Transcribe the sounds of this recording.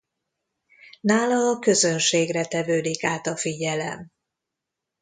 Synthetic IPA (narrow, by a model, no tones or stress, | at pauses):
naːlɒːkø̞zø̞nʃeːɡrɛt̪ɛvøːd̪ikaːt̪ɒfiɟɛlɛ̰m